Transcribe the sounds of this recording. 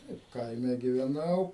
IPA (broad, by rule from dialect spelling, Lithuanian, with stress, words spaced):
ˈtɐɪp ˈkɐɪmʲɛ ɡʲɪʋʲɛˈnɐʊ